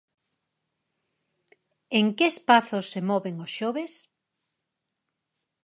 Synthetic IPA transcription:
eŋkeespaθosːemɔβeŋosʃɔβes

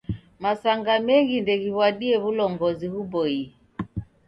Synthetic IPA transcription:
masaŋɡamɛŋɡindɛɣiβwaɗiɛβulɔŋɡɔzihuɓɔi

